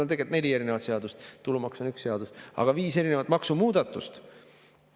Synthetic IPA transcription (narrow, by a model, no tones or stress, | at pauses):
ont̪eɡet̪ne̞lʲie̞ɾinevɑt̪seɑd̪ust̪t̪ulumɑksonyksse̞ɑd̪usɑ̰ɡ̥ɑviːse̞ɾinevɑt̪ˑmɑksumuːd̪̥ɑt̪ːˑust̪